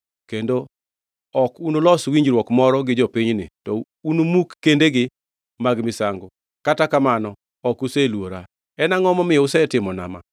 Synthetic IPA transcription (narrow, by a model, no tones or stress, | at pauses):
kendo | ɔkunolɔswiɲd͡ʒɾwɔkmɔɾɔɡɪd͡ʒɔpiɲnɪ̰tɔ | unomukːendeɡɪ | maɡmɪsaŋɡɔ | katakamanɔ | ɔkuselwoɾa | ɛnaŋɔmɔmɪjɔusɛtɪmɔna̰ma̰